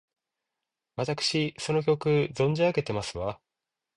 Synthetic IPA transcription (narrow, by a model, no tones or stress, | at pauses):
βat̪akɯ̟̥ɕiso̞no̞k̬ʲo̞kɯ̟zõ̞ɲ̟d͡ʑiaɡe̞t̪e̞masɨβa